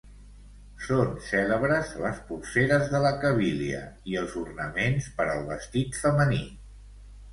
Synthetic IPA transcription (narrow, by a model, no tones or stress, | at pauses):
sonsɛləβɾəzləspurseɾəzðələkəβiliə̰iəlˠzurnəmenspəɾəlˠβəst̪it̪fəməni